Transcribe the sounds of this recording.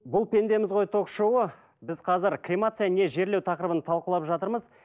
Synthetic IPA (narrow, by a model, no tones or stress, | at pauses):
bʊlˠpʲʰe̞nd̪e̞mɪzʁo̞jt̪ʰo̞kʃowə | bɪzqʰɑzɪɾkrʲimat̪sɨjane̞ʒe̞ɾle̞wt̪ʰɑqəɾəbənt̪ʰɑlˠqəlˠɑpʒɑt̪əɾməz